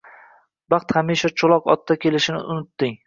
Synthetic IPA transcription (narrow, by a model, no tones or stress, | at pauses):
bɑχt̪χamiʃat͡ʃʰolˠɒqɒ̰t̪ːakʲʰe̞lɪʃɪnɪ̰ʔʊnɪt̪ːɪŋ